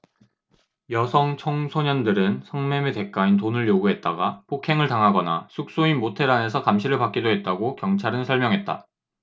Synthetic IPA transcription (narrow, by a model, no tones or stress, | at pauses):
jʌsʰʌŋt͡ɕʰʌŋsʰoɲʌndɯɾɯnsʰʌŋme̞mete̞k͈aint̬onɯɭjoɡuɦe̞t̚t͈aɡapʰokʰe̞ŋɯɭtaŋɦaɡʌnasʰuk̚s͈oinmotʰe̞ɾane̞sʰʌkamɕʰiɾɯɭpak͈̚idoɦe̞t̚t͈aɡokjʌŋt͡ɕʰaɾɯnsʰʌɭmjʌŋɦe̞t̚t͈a̰